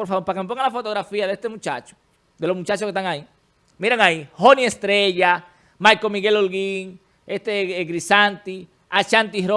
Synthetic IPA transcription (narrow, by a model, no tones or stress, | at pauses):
poɾfaβoɾpakemepoŋɡaŋlafot̪oɣɾafiaðest̪emũt͡ʃa̰t͡ʃo̥ | d̪elo̞smut͡ʃat͡ʃoskest̪aŋai | miɾaŋaihoniest̪ɾeʝa | majkomiɣe̞lolɣiŋ | est̪eɣɾisant̪i | at͡ʃant̪iɾo